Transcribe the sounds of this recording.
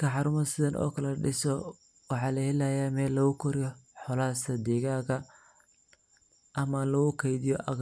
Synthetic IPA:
kʰɐħɑɾʊmɐsɪðɐnʔɔ̰ːkʰɐlɐɖɪsɔ | wɑħɑːlɐhɛlajaːmɛːlːɐɣʊkʰɔɾɪjɔħɔlaːsʰɐd̪iɣaːɣɐ | ʔɐmɐlɐɣʊkʰɛjðɪjɔʔɐɣ

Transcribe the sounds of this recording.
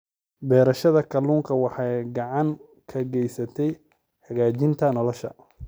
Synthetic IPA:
bɛːɾɐʃɐðɐkʰɐluːŋkʰɐwɑħɑjɡɑʕɑŋ | kʰɐɡɛjsɐt̪ʰɛj | ħɑɣaːt͡ʃɪnt̪ʰɐnɔlɔʃɐ̰

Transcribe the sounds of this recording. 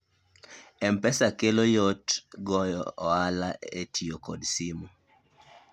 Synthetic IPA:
ɛmpɛsakelojotɡɔjɔːalaetʰijokɔdsimɔ

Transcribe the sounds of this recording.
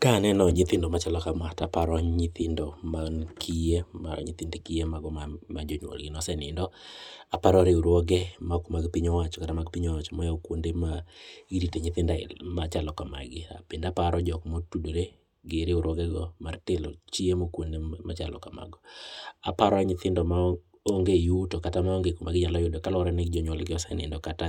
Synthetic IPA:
kanɛnɔɲɪt̪ɪndɔmat͡ʃalɔkamatapaɾɔɲɪt̪ʰɪndɔmankʰijema̰ɲɪ̰t̪ɪndekijemaɡɔmmad͡ʒoɲwo̰lɡɪnɔsɛnɪ̰ndɔapaɾɔɾeoɾwɔɡɛmakmaɡpiɲɔwat͡ʃɔ̥katamaɡpiɲɔwat͡ʃɔmɔjaokwondemaiɾiteɲɪt̪ɪnda̰mat͡ʃalɔkama̰ɡɪa̰pɪndapaɾɔd͡ʒɔkmotudoɾe | ɡɪɾeʊɾwɔɡɛɡɔmartɪlo̰t͡ʃiemokwondema̰t͡ʃalɔ̰kama̰ɡɔapaɾɔaɲɪt̪ɪndɔma | oŋɡejutokatamaoŋɡekomaɡɪɲalɔjʊdɔkalɔɾanɪd͡ʒɔɲwɔlɡɪɔsɛnɪ̰ndɔkata

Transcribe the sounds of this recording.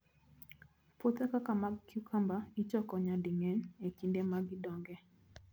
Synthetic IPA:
pot̪akakamakukʰambait͡ʃɔkɔɲadiŋɛnekindemaɡidɔŋɡɛ

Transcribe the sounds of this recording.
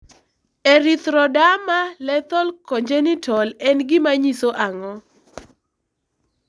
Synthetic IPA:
eɾit̪ɾɔdamalɛt̪ɔlkɔɲd͡ʒɛnitʰɔlɛnɡɪmaɲisoʔaŋɔ

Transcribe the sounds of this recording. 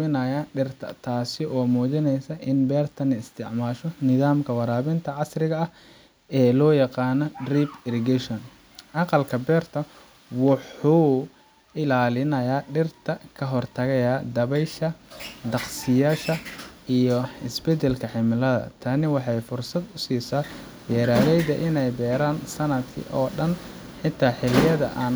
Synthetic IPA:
ɪnɐjaɖɪrt̪ʰɐ̰t̪ʰaːsɪʔɔːmuːt͡ʃɪnɛjsɐʔɪnbɛːrt̪ʰɐnɐɪst̪ʰɪʕmaːʃɔnɪðaːmkʰɐwɑɾaːβɪnt̪ʰɐʕɑsrɪɣɐɐh | ɛːlɔːjɑqɑːnɔdriːbɪɾɪɡɛʃɔn | ʔɑqɑlkʰɐbɛːrt̪ʰɐ | wʊħuː | ʔɪlaːlɪnɐjaːɖɪrt̪ʰɐkʰɐɦɔrt̪ʰɐɣɛjaːd̪ɐβɛjʃɐd̪ɑqsɪjaːʃɐijɔɪsbɛd̪ɛlkʰɐħɪmɪlɐðɐ̰t̪ʰaːnɪwɑħɑjfʊrsɐd̪ʊsiːsaː | bɛːɾaːlɛjðɐʔɪnɛjbɛːɾaːnsɐnɐd̪kʰɪ̰ʔɔːɖɐnħɪt̪ʰaːħɪlɪjɐðɐ̰ʔaːn

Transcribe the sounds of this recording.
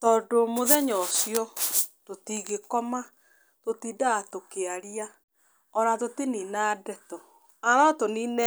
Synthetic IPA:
tɔdomoðɛɲɔsjɔtotiɣekɔma | totiːdaːtokeaɾia | ɔɾatoteninadɛtɔ | aɾɔtoninɛ

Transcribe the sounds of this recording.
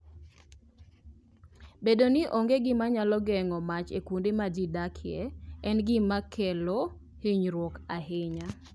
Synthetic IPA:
bedonɪʔoŋɡeɡɪmaɲalɔɡɛŋɔmat͡ʃḛkundemad͡ʒidakʰɪɛɛnɡɪmakʰɛlo | hɪɲɾwɔkaɦɪɲa

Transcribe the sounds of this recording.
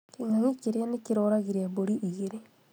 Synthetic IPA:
kiŋaŋikeɾeanekiɾoːɾaɣiɾeβoɾiʔiɣeɾe

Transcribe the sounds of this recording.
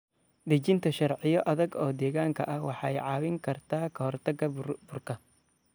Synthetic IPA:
d̪ɐt͡ʃɪnt̪ʰɐʃɐrʕɪjɔʔɐðɐɡɔːd̪ɛːɣaːŋkʰɐʔɐhwɑħɑɛjʕɑːwɪŋkʰɐrt̪ʰaːkʰɐhɔrt̪ʰɐɡɐbʊrkʰɐ

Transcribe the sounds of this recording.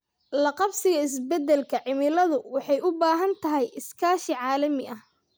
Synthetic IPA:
lɐqɑbsɪɣɐɪs̬bɛd̪ɛlkʰɐʕɪmɪlɐðʊwɑħɑjʊbaːɦɐnt̪ʰɐɦɛjʔɪskʰaːʃiʕɑːlɐmɪʔɐh

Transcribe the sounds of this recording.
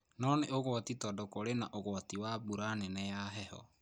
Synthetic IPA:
nɔneʔoɣwɔtitɔdɔkoɾenaʔoɣwɔtiwabuɾanɛnɛjaɦɛhɔ̰

